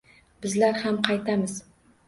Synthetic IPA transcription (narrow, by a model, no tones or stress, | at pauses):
bɪzlaɾhamqʰɑjt̪ʰamɪz